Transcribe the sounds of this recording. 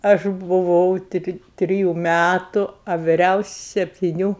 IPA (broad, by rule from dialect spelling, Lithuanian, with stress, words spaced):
ˈɐʃ bʊˈʋɐʊ ˈtʲrʲɪ ˈtʲrʲɪjʊ ˈmʲætʊ ɐ ʋʲɪˈrʲɛʊsʲɪ sʲɛpʲtʲɪˈnʲuː